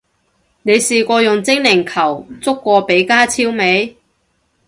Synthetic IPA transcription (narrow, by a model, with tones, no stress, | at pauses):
ne˨˧jsiː˨kʷɔː˧jʊ˨˩ŋt͡sɪ˥ŋlɪ˨˩ŋkʰɐ˨˩wt͡sʊ˥kːʷɔː˧pe˨˥jkaː˥t͡sʰiː˥wme˨˧j